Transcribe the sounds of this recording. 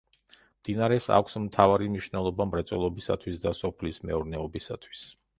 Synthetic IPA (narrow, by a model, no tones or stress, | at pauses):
md̪̥inaɾɛsa̰kʷʰsmt̪ʰavaɾimniʃnɛlˠɔbamɾɛt̪sʼɛlˠɔbisa̰t̪ʰwisd̪asɔpʰlismɛ̰uɾnɛɔbisat̪ʰwi̥s